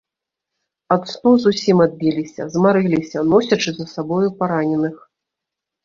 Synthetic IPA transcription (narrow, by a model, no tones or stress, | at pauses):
at̪st̪uzusʲimad̪̚bʲilʲisʲɐ̰zmaɾɨlʲisʲɐnɔsʲɐt͡ʂɨzɐsabɔjupaɾanʲɛnɨx